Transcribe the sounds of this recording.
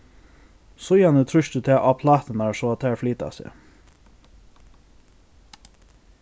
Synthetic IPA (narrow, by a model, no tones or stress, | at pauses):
sɔʏjɑnət̪ʰɾʉʃt̪ət̪ʰeːʔɑpʰlɑːt̪ənæːɹsoɑt̪ʰæːɹfliːt̪ɑ̰sḛː